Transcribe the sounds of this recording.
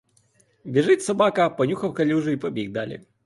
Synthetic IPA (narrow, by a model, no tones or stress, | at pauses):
bʲɛʐɪtʲsɔbakɐpɔnʲuxɐwkɐlʲuʐɨipɔbʲiɡd̪alʲḭj